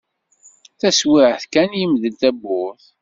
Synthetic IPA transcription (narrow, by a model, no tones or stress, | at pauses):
θæswɪʕθkænjimðəlt̪æbːʊθ